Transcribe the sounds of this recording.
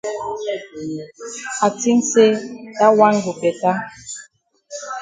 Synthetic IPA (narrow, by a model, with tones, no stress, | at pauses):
a˨ti˦n˦se˦ta˦wa˦ŋ˦ɡo˨kɛ˨ta˦